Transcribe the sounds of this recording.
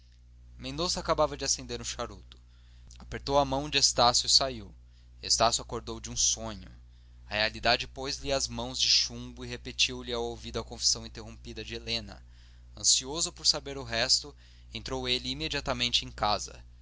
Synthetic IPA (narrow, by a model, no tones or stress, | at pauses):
mẽnd̪osɐakabavɐd͡ʒɪasẽnd̪eɾũʃaɾut̪ʊ̥ | apeɾt̪owɐmɐ̃w̃d͡ʒɪest̪asjʊisaiw | est̪asjuakoɾd̪owd͡ʒɪũsõɲʊ | ɐhealid̪ad͡ʒɪpojzliɐzmɐ̃w̃zd͡ʒɪʃũbʊiɦepet͡ʃiwlɪawowvid̪ʊɐkõfi̥sɐ̃w̃ĩnt̪eɦõmpid̪ɐd͡ʒɪelẽnɐ̰ | ɐ̃siozʊpoɾsabeɾʊɦɛst̪ʊ | ẽnt̪ɾowelɪimed͡ʒiat̪ɐmẽnt͡ʃɪẽj̃kazɐ̰